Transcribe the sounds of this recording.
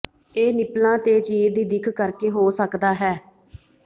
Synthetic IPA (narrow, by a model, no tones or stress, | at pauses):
eːnɪplãːt̪eːt͡ʃiːɾd̪iːd̪ɪkʰkəɾkeːɦoːsəkd̪aːɦɛː